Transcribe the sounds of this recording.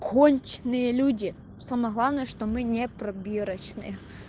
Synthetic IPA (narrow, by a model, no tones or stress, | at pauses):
kʰonʲt͡ʃnɨjəlʲudʲɪ | saməjɦlˠavnəjəʂt̪omɨnʲɛpɾɐbʲiɾɐt͡ɕnɨ̰j